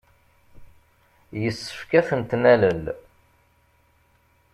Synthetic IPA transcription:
jəsːə̥fkæθənt̪næləl

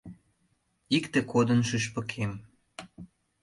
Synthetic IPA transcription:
ikt̪ĕkod̪ənʃyʃpə̆kʰem

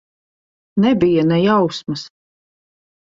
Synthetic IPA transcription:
nɛbijanɛjawsmɐs

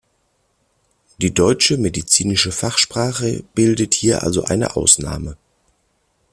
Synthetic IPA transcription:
d̥iːdɔʏt͡ʃəmedit͡siːnɪʃəfaχʃpʁ̥aːχəb̥ɪldəthiːɐʔa̰lzo̰ʔaɪnə̰ʔa̰ʊsna̰ːmə

